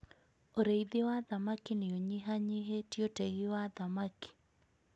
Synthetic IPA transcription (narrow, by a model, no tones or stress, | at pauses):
oɾeiðewaðamakineoɲiɦaɲɪɦetioteɣiwaðamaki̥